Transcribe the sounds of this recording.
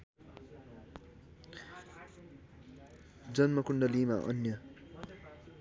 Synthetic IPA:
d͡zʌnmʌkundʌliːmaʔʌ̰njʌ

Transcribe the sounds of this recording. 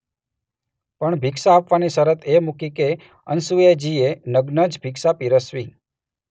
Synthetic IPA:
pəɳbʱiksaːpʋanisəɾət̪ʰemukike | ə̰nsued͡ʒienəɡnəd͡ʒbʱiksapiɾəsʋi

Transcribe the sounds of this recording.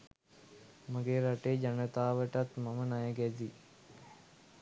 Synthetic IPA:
məɡeːɾɐʈeːd͡ʒɐnət̪aːʋəʈɐt̪mɐmənajɐɡɛd̪i

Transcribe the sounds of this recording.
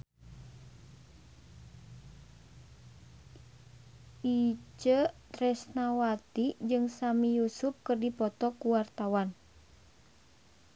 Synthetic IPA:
ʔit͡ʃət̪ɾɛsnawat̪id͡ʒɨŋsamijusup̚kɨrdipɔt̪ɔkuwart̪awan

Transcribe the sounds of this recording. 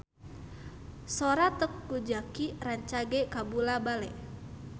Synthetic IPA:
soɾat̪əkːud͡ʒakiraɲt͡ʃaɡekabulabalɛ

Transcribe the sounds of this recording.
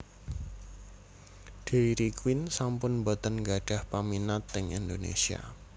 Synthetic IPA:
ɖ̥eiɾikwɪnsampʊnbot̪ənɡaɖ̥a̤hpaminat̪ːɪŋind̪onḛsia̰

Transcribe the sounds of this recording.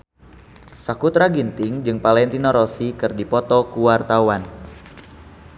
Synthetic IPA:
sakut̪ɾaɡint̪ɪŋd͡ʒɨŋpalɛnt̪inɔɾɔsikɨrdipɔt̪ɔkuwart̪awan

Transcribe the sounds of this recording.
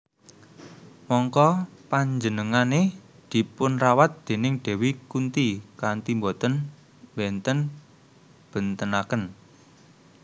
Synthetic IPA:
mɔŋkɔpaɲd͡ʒənəŋane | d̪̥i̤pʊnrawat̪̚d̪̥e̤nɪŋɖ̪̥e̤wikunt̪ikant̪imbɔt̪ən | wɛnt̪ən | b̥ə̤nt̪ənakən

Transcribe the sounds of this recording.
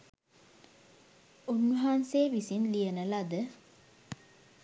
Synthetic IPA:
unːuɦanseːʋisinlijənəlad̪ə

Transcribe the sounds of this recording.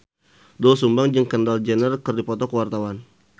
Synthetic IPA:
dɔlsumbaŋd͡ʒəŋkəndald͡ʒənərkərdipɔt̪ɔkəwart̪awan

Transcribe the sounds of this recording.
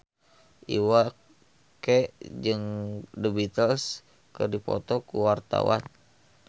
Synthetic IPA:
ʔiwa | keʔd͡ʒɨŋdəbit̪əls | kərdipɔ̰t̪ɔkuwart̪a̰wa̰n

